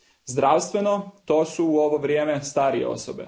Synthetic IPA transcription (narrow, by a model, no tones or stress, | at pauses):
zd̪ɾaːwst̪ʋeno̞t̪oːsuːoʋoʋɾʲjeːmest̪aːɾijḛo̰sobḛ